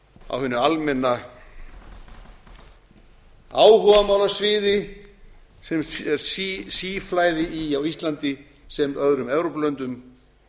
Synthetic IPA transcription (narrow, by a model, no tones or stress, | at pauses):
a̰whʏnːʏalmɛnːa | aːwɦɔvamaːwlasvɪːðɪ | sɛmɛɾ̥sisiːflajðɪʔiawist̪lant̪ɪ | sɛmœðɾʏmɛvɾɔplœnt̪ʏm